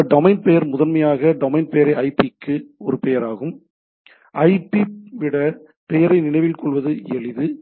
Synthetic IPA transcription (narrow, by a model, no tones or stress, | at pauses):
ɖɔmɐɪnpɛjɐɾmʊðɐnmɐjaːɣɐɖɔmɐɪnpɛjɐɾɐɪɐɪpikːɯɔɾɯpɛjɐɾaːɣɯm | ʔɐɪpːiʋɪɽɐ | pɛjɐɾɐɪnɪɳɐɪʋɪlkɔɭʋɐðɯɛɭɪðɯ